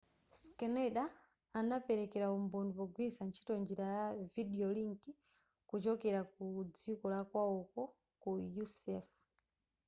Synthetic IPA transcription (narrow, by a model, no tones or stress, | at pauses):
skɛnɛɗaː | napɛɾɛkɛɾaumbɔndupɔɡwisant͡ʃʰi̥tɔnd͡ʒiɾajaviɗiɔliŋki | kut͡ʃɔkɛɾakud͡zikɔlakwaɔkɔ | kujusɛf